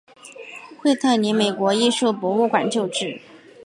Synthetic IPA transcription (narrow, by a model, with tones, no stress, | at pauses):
xwe˥˧ɪt̪ʰa˥˩ɪni˧˥me˨˩ɪkwɔ˧˥i˥˧ʂu˥˩pwɔ˧˥u˥˩kwa̰˨˩nt͡ɕjo˥˧ʊʈ͡ʂɻ̩˥˩